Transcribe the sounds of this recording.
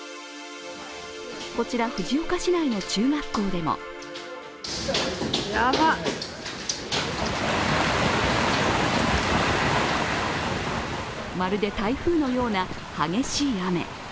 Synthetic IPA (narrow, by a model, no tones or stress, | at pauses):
ko̞t͡ɕiɾaɸɯ̟ʑiokaɕinaino̞t͡ɕɨːmakːoːd̪e̞mo̰ | jaba | maɾɯ̟d̪e̞t̪aiɸɯ̟ːno̞jo̞ːna | haɡe̞ɕiːame̞̰